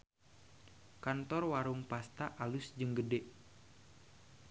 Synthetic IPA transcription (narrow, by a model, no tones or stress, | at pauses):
kant̪ɔrwaɾuŋpast̪aʔalusd͡ʒɨŋɡədɛʔ